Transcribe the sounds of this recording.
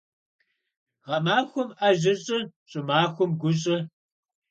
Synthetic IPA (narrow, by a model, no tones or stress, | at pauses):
ʁɐmaːxʷʊmʔɐʑɪɕʼɪɕʼʊmaːxʷʊmɡʷʊɕʼɪ